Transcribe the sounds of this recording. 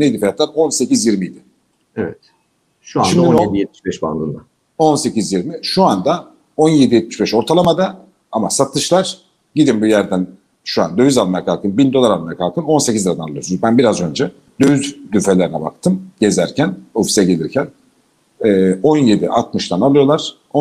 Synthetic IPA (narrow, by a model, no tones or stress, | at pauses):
neid̪ifajat̪lˠaɾo̞nse̞cizjiɾmijid̪ɪ | evɛt̪ | ʃuaʃimied̪ijɛt̪̚mi̥ʃbɛʃba̰nlˠɯnd̪a | o̞nse̞cizjiɾmiʃuand̪a | o̞nje̞d̪ijɛt̪̚miʃbɛʃo̞ɾt̪ʰalˠamad̪a | amasat̪ʰɯʃlˠaɾ̥ | ɟid̪imbujæɾd̪æn | ʃua̰nd̪ø̞vyzalˠmaakalˠkʰɯnbind̪o̞lˠaɾalˠmaɾakʰalˠkʰɯno̞nsecʰizliɾad̪analˠɯjosunzbænbiɾazø̞nd͡ʒɛ | d̪̥øjyzd̪yfe̞lʲeɾinɛba̰kt̪ʰɯmɟe̞zæɾcʰæno̞fi̥sɛɟelʲiɾcʰæn | ɛːo̞nje̞d̪iʔa̰t̪mɯʃt̪ʰanalˠɯjo̞lˠaɾ̥ | o